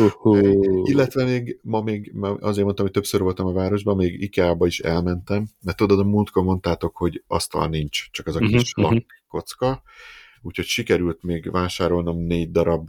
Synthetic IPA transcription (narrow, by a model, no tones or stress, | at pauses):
uhuilːɛt̪ʋɛmeːɡmɒmeːɡmɒ̰zeːrɾmont̪ɒmijt̪ø̞psøɾvo̞lt̪ɒmɒvaːɾo̞ʒbɒmeːɡḭkaːbɒiʃɛ̰lmɛnt̪ɛmd̪ɛt̪o̞d̪ɒd̪ɒmunt̪komo̞nt̪aːt̪o̞kho̞ɟɒ̰st̪ɒ̰lnint͡ʃt͡ʃɒkɛzɒkiʃlɒkːo̞t̪skɒ | uːcho̞cʃikɛɾylt̪meːɡvaːʃaːɾo̞lnɒmneːɟd̪ɒɾɒb